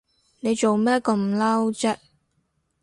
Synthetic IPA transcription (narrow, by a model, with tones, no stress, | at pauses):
ne˨˧jt͡so˨˩wmɛː˥kɐ˧mla˥wt͡sɛː˥